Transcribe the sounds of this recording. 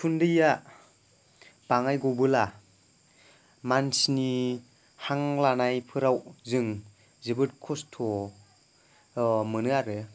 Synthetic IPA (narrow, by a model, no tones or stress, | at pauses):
tʰundɯja | b̥aŋajɡɔbɯla | mansni | haŋlanajpʰɯɾawzɯŋ | zɯbɯt̚kʰɔstʰɔ | mɯnɯaɾɯ